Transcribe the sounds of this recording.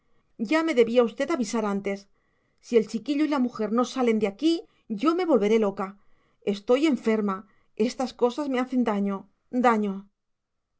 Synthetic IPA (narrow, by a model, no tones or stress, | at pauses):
ɟ͡ʝame̞ðe̞βiaust̪e̞t̪aβisaɾant̪e̞sː | ie̞lt͡ʃikiʎoilamuxe̞ɾno̞sale̞nd̪eaki | ʝo̞me̞βo̞lβe̞ɾe̞lo̞ka | e̞st̪o̞je̞ɱfe̞ɾma | e̞st̪asko̞sazme̞aθe̞nd̪aɲo̞ | d̪aɲo̞